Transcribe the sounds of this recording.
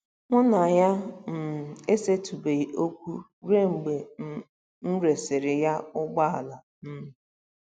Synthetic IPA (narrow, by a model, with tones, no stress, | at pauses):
ŋʷʊ˦na˨ja˦m̩˨e˦se˦tu˨be˨i˨o˦kʷu˦ | ɾe˦ŋ͡m̩˨ɡ͡be˨ | n̩˦ɾe˨sɪ˨ɾɪ˨ja˦ʊ˦ɡ͡ba˦a˨la˨ | n̩˦m̩˦˨